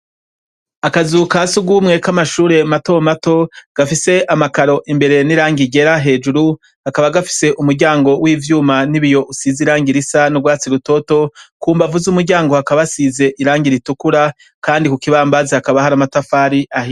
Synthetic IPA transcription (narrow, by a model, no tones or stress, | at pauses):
akazukasuɡumŋe̞kamaʃuːɾe̞mato̞mato̞ɡ̥afise̞ʔamakaɾo̞ʔimbe̞ɾe̞niɾaːŋɡiɟe̞ɾaɦe̞ːd͡ʒuɾu | hakaβaɡafi̥se̞ʔumuɾɟaːŋɡo̞wiːvjuːmaniβijo̞ʔusiziɾaːŋɡiɾisanuɡwaːt͡siɾuto̞to̞kuːmbavuzumuɾɟaːŋɡo̞hakaβasize̞ʔiɾaːŋɡiɾitukuɾa | kaːndikukiβaːmbazehakaβahaɾamatafaɾiʔahi